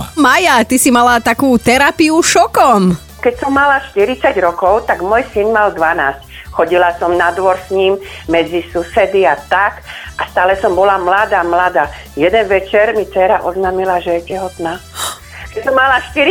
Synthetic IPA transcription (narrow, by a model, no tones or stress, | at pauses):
majat̪isimalat̪akuːt̪ɛɾapiuʃɔkɔm | kɛcsɔmːalaʃt̪iɾit͡saɟɾɔkɔʊt̪aɡmɔjsinmald̪ʋanaːsc | xɔɟilasɔmnad̪ʋɔɾsɲimmɛd͡zisusɛd̪iat̪akʔast̪aːlɛsɔmbɔlamlad̪aːmlad̪aː | jɛd̪ɛnʋɛt͡ʃɛɾmit͡sɛɾaʔɔznaːmilaʒɛjɛcɛɦɔt̪naː | kɛsɔmːalaʃt̪iɾi